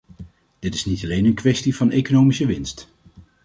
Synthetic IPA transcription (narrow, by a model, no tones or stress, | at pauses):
d̥ɪtɪ̥snitɑlejnənkʋɛstivɑnejkonowmisəʋɪnst